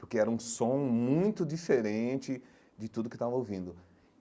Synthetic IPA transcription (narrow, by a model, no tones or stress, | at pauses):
pʊɾkeɛɾɐũsõmũj̃t̪ʊd͡ʒifeɾẽt͡ʃɪ | d͡ʒɪt̪ud̪ʊkɪ̥t̪avɐowvĩnd̪ʊ